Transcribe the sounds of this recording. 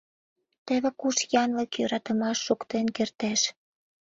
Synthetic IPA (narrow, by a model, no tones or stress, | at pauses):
t̪ĕβĕkuʃjɑnləkjøɾɑt̪ə̆mɑʃːukt̪enkert̪eʃ